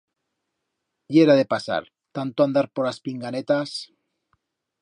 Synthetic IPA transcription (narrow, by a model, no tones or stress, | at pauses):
jeɾaðepasa̰ɾ | t̪ant̪oand̪aɾpoɾlaspiŋɡanet̪as